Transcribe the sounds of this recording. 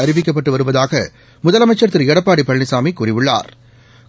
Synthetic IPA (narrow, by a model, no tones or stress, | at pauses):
ɐɾɪʋɪk̬ːɐp̬ːɐʈːɯʋɐɾɯʋɐðaːɣɐ | mʊðɐlɐmɐɪt͡ʃːɐɾt̪ːɪɾɛɽɐpːaːɽipɐɭnɪsaːmikurɪʋɯɭːa̰ːɾ